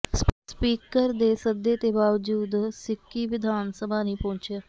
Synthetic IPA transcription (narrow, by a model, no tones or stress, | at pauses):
sspiːkəɾd̪eːsəd̪ːeːt̪eːbaːʋd͡ʒuːd̪sɪkːiːʋɪd̪ʱaːnsəbʱaːnĩːpɔ̃ːɲt͡ʃjaː